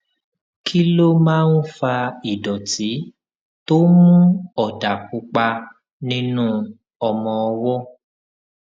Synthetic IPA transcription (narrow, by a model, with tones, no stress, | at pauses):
kʰi˦lo˦mãː˦n̩˦fa˧i˨dɔ˨ti˨˦ | to˦mũ˦ɔ˨da˨ku˨˦k͡pa˧ | nĩ˦nũ˦ | ɔ˧mɔ̃˧ɔ˧wɔ˦